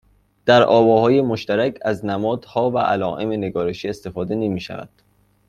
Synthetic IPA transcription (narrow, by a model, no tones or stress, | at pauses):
d̪̥æɾʔɒːbɒːhɒːje̞moʃt̪æɾæcʰæznæmɒːd̪̥hɒːvæʔælɒːʔe̞mene̞ɡɒːɾe̞ʃiːest̪e̞fɒːd̪e̞nemiːʃæ̰væ̰d̪̥